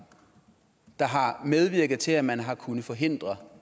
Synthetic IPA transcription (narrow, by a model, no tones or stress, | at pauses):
d̥ɑ̈ɦɑ̈með̞ˠʋiɐɡ̥ð̩ˠt͡sʰe̝læmænɦɑ̈kʰunð̩ˠfɒ̽ɦe̝n̰d̥ʁɐ